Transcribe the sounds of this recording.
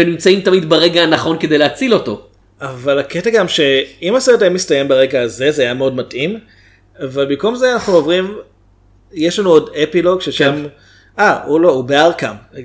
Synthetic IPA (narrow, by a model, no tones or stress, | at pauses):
enimt͡saimt̪amid̪baʁe̞ɡaːnaχo̞nkedejleat͡silo̞to̞̰ | avalaketaɡamʃe̞imaseetajamist̪ajembaʁe̞ɡaːze̞zeajameo̞dmatʔim | avalbimko̞mzeanaχnuovʁim | jeʃlanuo̞depilo̞ɡʃeʃam | aulo̞ubeaʁkam